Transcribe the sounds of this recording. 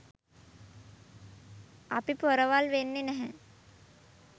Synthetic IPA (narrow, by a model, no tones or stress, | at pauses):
apipoɾəʋalʋenːenɛɦɛ̃